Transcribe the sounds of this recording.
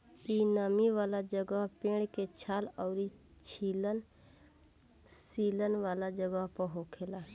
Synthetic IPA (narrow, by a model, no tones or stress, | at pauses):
iːnaːmiʋaːlad͡ʒəɡəɦpẽːɽket͡ʃʰaːlɔːɾi | t͡ʃʰilən | siːlənʋaːlad͡ʒəɡəɦpəɦokʰeːlaː